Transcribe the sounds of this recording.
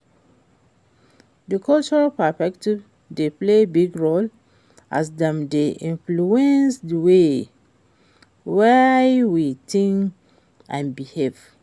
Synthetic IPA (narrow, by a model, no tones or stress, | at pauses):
dəkʰɔlt͡ʃɔɹalpɛspɛktiv | deplebiɡɹol | ʔa̰sdɛ̃mdeʔĩnfluɛ̃nsdwe | wɛwitĩŋk | ã̰nbihev